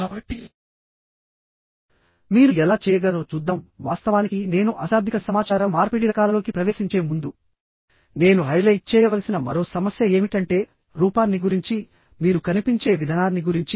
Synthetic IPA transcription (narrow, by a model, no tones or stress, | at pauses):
bʈːi | miːɾuɛlaːt͡ʃɛːjɐɡɐɾo̞ːt͡ʃud̪ːaːmʋaːst̪ɐʋaːnikine̞ːnuʔɐsaːd̪ʱikɐsɐmaːt͡ʃaːɾɐmːaːɾpiːɽiɾɐkaːlɐlo̞ːkipɾɐʋe̞ːʃiɲt͡ʃe̞ːmund̪u | ne̞ːnuɦɐjlɐjʈ̚t͡ʃɛːjɐʋɐlɐsinɐmɐ̰ɾo̞ːsɐmɐsjɐe̞ːmiʈɐɳʈe̞ː | ɾuːpaːnːiɡuɾiɲt͡ʃi | miːɾukɐnipiɲt͡ʃe̞ːʋid̪ʱɐnaːnːiɡuɾiɲt͡ʃi